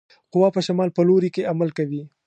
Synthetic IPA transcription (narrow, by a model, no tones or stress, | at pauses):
qʊwɑpəʃamɑlpəloɾikeamalkawi